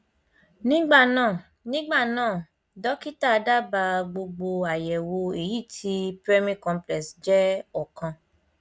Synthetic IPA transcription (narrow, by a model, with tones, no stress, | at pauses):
nĩ˦ɡ͡ba˦˨nãː˦˨ | nĩ˦ɡ͡ba˦˨nãː˦˨ | dɔ˨˦ki˦ta˦˧da˦ba˧ɡ͡bo˧ɡ͡bo˧a˨jɛ˨wo˧e˨ji˦˨tʰi˧˦pɾɛ˦mĩ˦kɔ̃˧mplɛ˨sd͡ʒɛ˦ɔ˨kã˧